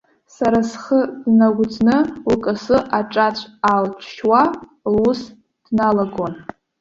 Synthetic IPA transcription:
saɾasχəd̥naɡʷd͡znɨukʼasɨʔaʈ͡ʂʼat͡ɕʷʰalt͡ʃʷʰʃwa | lus | d̥nalaɡon

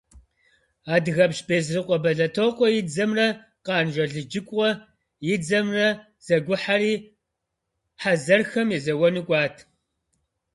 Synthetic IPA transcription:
aːdɣɐpʃbeːzrɨqʷʼɔbɐɮɐtʰoːqʷɔjɪd͡zɐmrɐ | qɑːnʒʷɐɮɨd͡ʒɪkʷʼɔ | jɪd͡zɐmrɐ | z̥ɐɡʷʊħariː | ħazɐrxɐmjɛzɐwɔnɨkʷʼɑːtʰ

